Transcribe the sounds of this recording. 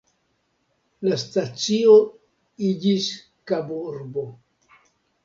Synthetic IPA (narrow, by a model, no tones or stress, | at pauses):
lastat͡sio | id͡ʒis | kabuɾbo̞